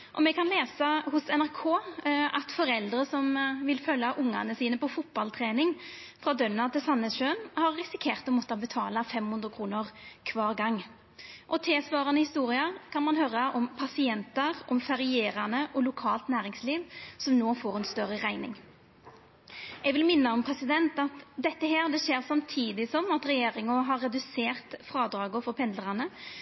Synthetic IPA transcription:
ʔɔmɛkʰɑnleːsɑhʊsɛnæʁkʰoːɑt̪fɔɾɛld̪ɾəsɔmʋɪlfœlːɑʔʊŋːɑ̰nəsiːnəpɔfʊt̪̚bɑlt̪ʰɾeːnɪŋfʁɑːd̪œnːɑt̪ʰɪlsɑnːəsʃøːnhɑʁːɪsɪkʰeːʁt̪ɔmɔt̪ːɑbət̪ʰɑːlɑfɛmhʉnd̪ɾʁəkʰɾuːnəʁkʰʋɑːʁɡɑŋː | ʔɔt̪ʰeːsʋɑːʁɑnəhɪst̪uːʁɪəʁkʰɑnmɑnɦøːɾɑʔɔmpʰɑsɪɛnt̪əʁɔmfɛɾɪeːɾɑnəʔɔlʊkʰɑːlt̪næːɾɪŋsliːʋsɔmnoːfoːɾɛnst̪œʁːəʁæɪnɪ̰ŋ | ɛɡʋɪlmɪnːəɔmpʰʁɛsɪd̪ɛnt̪ɑt̪d̪ɛt̪ːəɦeːʁd̪ɛʃeːɾsɑmt̪ʰiːd̪ɪsɔmɑt̪ɾɛjeːɾɪŋəɦɑɾːɛd̪ʉseːʁt̪fɾɑːd̪ɾɑːɡʊfɔɾpʰɛnd̪ləʁɑnə

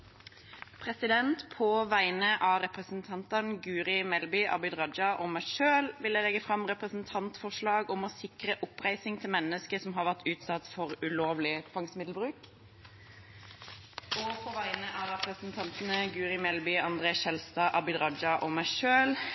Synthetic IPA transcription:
pʰʁɛsɪd̪ɛnt̪pʰɔʋæɪnəʔɑːɾɛpʁəsn̩t̪ʰɑnt̪ɑnɡʉːɾɪmɛlbʏʔɑ̰bʏd̪ʁɑd͡ʒɑʔɔmæɪʃøːlʋɪləlɛɡəfʁɑmʁɛpʁəsn̩t̪ʰɑnt̪fɔʁʂɭɑːɡɔmɔsɪkɾəʔʊpʁæɪsɪŋt̪ʰɪlmɛnːəskəsɔmɦɑːɾʋæʁt̪ʰʉːt̪sɑt̪fɔʁʉloːʋlɪt̪fɑŋsmɪd̪l̩bʁʉːk | ɔpʰɔʋæɪnəʔɑːɾɛpʁəsn̩t̪ʰɑnt̪nəɡʉːɾɪmɛlbʏɑnd̪ʁeːɛlst̪ɑʔɑbʏd̪ɾɑd͡ʒɑʔɔmæɪʃøːl

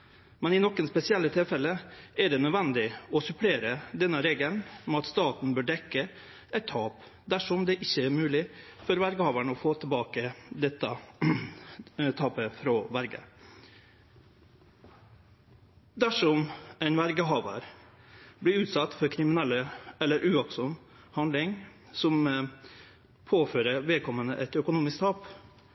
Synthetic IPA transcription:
mɛnɪnɔkːənspɛsɪɛlːət̪ʰɪlfɛləæɖɛnœd̪ʋɛnd̪ɪɔsʉpʰleːɾəd̪ɛnːəɾeːɡəlnmɛɑt̪st̪ɑːt̪n̩bøːɖɛkːə | ɛt̪ʰːɑːp | d̪æʂɔmd̪ɛʔɪçːəæːɾmʉːlɪ | fɔɾʋæɾɡəhɑːʋæɳəɔfoːt̪ʰəlbɑːkəd̪ɛt̪ːə | t̪ʰɑːpəfɾɑːʋæɾɡə̰ | d̪æʂɔmæɪnʋæɾɡəɦɑːʋə̰ɾ | blɪɾʉːt̪sɑt̪ːfɔɾkʰɾɪmɪnɛlːəɛlːəɾʔʉːʋɑksɔm | hɑnd̪lɪŋ | sɔm | pʰoːføːɾəʋɛlkʰɔmːənə̰ʔɛt̪œkʊnuːmɪsk̚t̪ʰɑːp

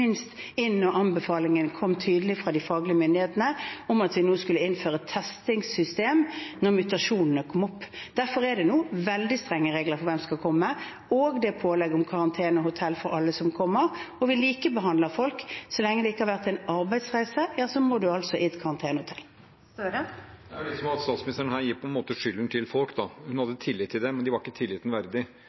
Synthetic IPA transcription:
ɪnst̪ɪnːɔʔɑnbəfɑːlɪŋənkʰɔmːt̪ʰyːd̪əl̩ɪfʁɑːd̪ɪfɑːɡlɪəmʏnd̪ɪheːt̪n̩əɔmɑt̪ʋɪnuːskʉlːəɪnføːʁət̪ʰɛst̪ɪŋsʏst̪eːmnɔʁmʉt̪ɑʂuːnn̩əkʰɔmɔpː | d̪̥æʁfɔɾɛd̪ɛnuːʋɛld̪ɪst̪ʁɛŋːəʁeːɡləʁfɔɾʋɛmskɑkʰɔmːə | oːɡd̪ɛpʰoːlɛɡɔmkʰɑɾɑnt̪ʰeːnɔhʊt̪ʰɛlfɔɾɑlːəsɔmkʰɔmːəʁɔʋɪliːkəbəɦɑnd̪ləfɔlksɔlɛŋːəd̪ɛɪkːəhɑʁʋæʁt̪æɪnɑɾbæɪd̪sʁæɪsəjɑːsɔmɔdʉɑlt̪sɔʔɪɛt̪kʰɑɾɑnt̪ʰeːnəhʊt̪ʰɛlː | d̪ɛsɔmɑt̪st̪ɑːt̪smɪnɪst̪əɾənhæːɾjɪpʰɔɛnmoːt̪əʂʏlənt̪ʰɪlfɔlkd̪ɑhʉnhɑd̪ːət̪ʰɪlːɪt̪ʰːɪld̪ɛmɛnd̪ɪʋɑɾɪkːət̪ʰɪlːɪːt̪n̩ʋæɾd̪ɪ

